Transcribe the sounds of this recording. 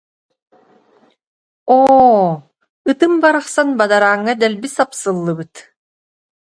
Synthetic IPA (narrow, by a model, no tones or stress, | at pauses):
oː | ɯt̪ɯmbaɾɯχsanbad̪aɾaːŋːad̪ɛlbisapsɯlˠːɯbɯt̪